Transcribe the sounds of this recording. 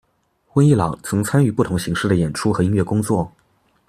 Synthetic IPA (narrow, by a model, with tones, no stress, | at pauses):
xwə˥ni˥˩lɑ˨˩ŋt͡sʰɤ˧˥ŋt͡sʰa˥ny˥˧pu˥˩t̪ʰʊ˧˥ŋɕi˧˥ŋʂɻ̩˥˩d̪ə˩jɛ˨˩nʈ͡ʂʰu˥xɤ˧˥i˥nɥɛ˥˩kʊ˥ŋt͡swɔ˥˩